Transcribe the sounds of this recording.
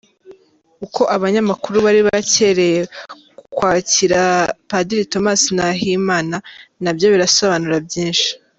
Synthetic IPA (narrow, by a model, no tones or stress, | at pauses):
ukʰo̞ʔaβaɲamakuɾuβaɾiβace̞ɾe̞je | kukwaːciɾapadiɾito̞masnaɦimaːnanabjo̞βiɾaso̞βanuɾabɟiːnʃi̥